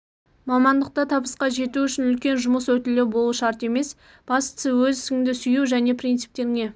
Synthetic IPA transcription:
mɑmɑnd̪əq̚t̪ɑt̪ʰɑbəsqɑʒe̞t̪uʏʃɪnʏlkʲe̞nʒʊməswɵt̪ɪlewbo̞lˠuʃɑɾt̪e̞me̞s | b̥ɑst̪səwɵzsɪŋd̪ɪsʏjuwʒæne̞pʰɾint̪sɨ̥p̚t̪e̞ɾŋe̞

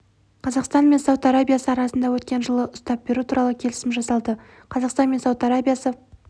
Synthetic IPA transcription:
qʰɑzɑqst̪ɑnme̞nsɑwt̪aɾabijasəɑɾɑsənd̪ɑwɵt̪kʲe̞nʒəlˠəʔʊst̪ɑp̚be̞ɾut̪ʰuɾʔɑlˠəkʲʰe̞lɪsɪmʒɑsɑlˠd̪ə | qʰɑzɑqst̪ɑnmensɑwt̪aɾabijasə

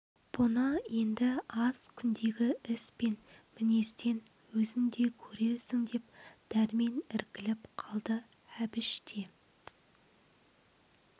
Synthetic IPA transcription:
b̥ʊnəje̞nd̪ɪɑz̥kʲʰʏnd̪e̞ɡʲɪɪspe̞nmɪne̞st̪e̞n | wɵzɪŋd̪e̞kʲʰɵɾe̞ɾsɪŋd̪e̞p̚d̪̥æɾme̞nɪɾkʲɪlɪpqʰɑlˠd̪əæbɪʃt̪ʰe̞

